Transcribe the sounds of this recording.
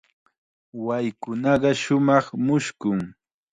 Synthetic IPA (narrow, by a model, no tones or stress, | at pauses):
wajkʊnɑɢɑʃʊmɑχmʊʃkʊŋ